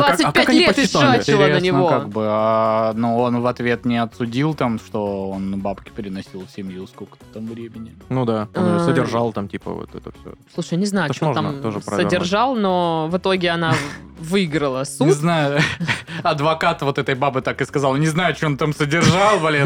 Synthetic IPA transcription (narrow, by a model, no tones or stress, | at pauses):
d̪vasɨ̥kpʲatkɐnʲleət̪ːɪaaɪt͡ɕɪlɾəeəsnʲɪvokaɡ̚bɨanuo̞nvɐt̪vʲet̪nʲɪɐt̪sʊdʲilˠt̪amʂt̪o̞o̞nbapkʲɪ̥pʲɪɾʲɪnɐsʲilˠfsʲɪmʲjuskolʲkə̥t̪ə̥t̪amvɾʲemʲɪnʲɪnud̪aonsədʲɪrʐalˠt̪amtʲipə̰vo̰t̪ɛ̰t̪ət̪slˠuʂɨjnʲɪznajʊot̪amtt̪oʐɨsɾɐədʲɪrʐalˠno̞vɨt̪o̞ɡʲɪɐna | vɨɪɡɾəlˠəsuɪznajʊ | ɐd̪vɐkat̪vo̞t̪ɛt̪əjbabɨt̪akɨskɐzɑlˠnʲɪznajʊɐt͡ɕont̪amsədʲɪrʐalˠvɐlʲe